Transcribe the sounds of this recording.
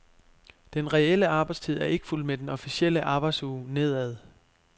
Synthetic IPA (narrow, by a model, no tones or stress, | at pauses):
d̥enʁɛeləɑ̈ːb̥ɑ̈ɪst͡sʰið̞̰ˠæɐe̝ɡ̥ə̥ful̰med̥enɒ̽fisiel̰əʔɑ̈ːb̥ɑ̈ɪd̥suːne̝ð̞̰ˠæðˠ